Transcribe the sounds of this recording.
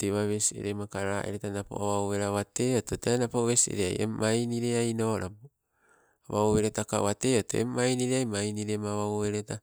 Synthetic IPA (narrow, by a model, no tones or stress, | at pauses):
teβaβesiḛɾemakaɾaʔḛɾetanapo̰aβawβeɾaβateototeanapoβesiḛɾea̰jḛmajniɾeajnonapo | aβawβeɾetakaβateoto̰ḛmːajniɾeajmajniɾemaβawβeɾeta